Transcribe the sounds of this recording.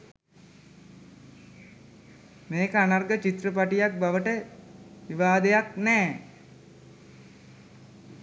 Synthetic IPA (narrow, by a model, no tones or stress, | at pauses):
meːkəanarɡət͡ʃit̪rəpaʈijak̚baʋəʈəʋiʋaːd̪ejaknɛː